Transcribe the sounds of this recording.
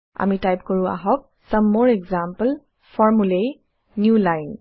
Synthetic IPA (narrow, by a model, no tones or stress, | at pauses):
a̰mitajpkɔɹʊ̃a̰ɦɔk̚səmːɔɹɛɡzampəl | fɔɹmulej | njulajn